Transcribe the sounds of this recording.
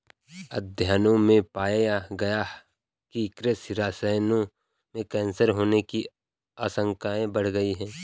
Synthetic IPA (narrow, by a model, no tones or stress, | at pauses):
ə̰d̪ʱjaːnõmẽpaːjjaɡɐja | kikɾesɪɾaːsəjnõ | mẽkɛ̃ːnsəɾɦoːneki | aːsə̃ŋkaːẽbəɽ̤ɡəiɦɛ̃ː